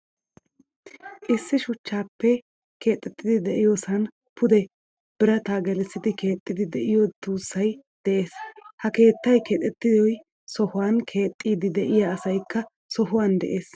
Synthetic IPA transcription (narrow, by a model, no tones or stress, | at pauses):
ʔɪsːɪʃʊt͡ʃːaːpːɛ | kʰe̞ːt̪ʼːɛt̪ːɪd̪ɪd̪ɛʔɪjoːsɐn | pʰʊd̪ɛ | b̥ɪɾɐt̪aːɡɛlɛsːɪd̪ɪkʰe̞ːt̪ʼːɪd̪ɪd̪ɛʔɪjot̪uːsːɐj | d̪̥ɛʔe̞ːshɐke̞ːt̪ːɐjkʰeːt̪ʼːɛt̪ːɪzɔj | sɔhʊwankʰe̞ːt̪ʼːiːd̪ɪd̪ɛʔɪjaːsɐjkːɐ | sɔɦʊwand̪ɛ̰ʔe̞ːs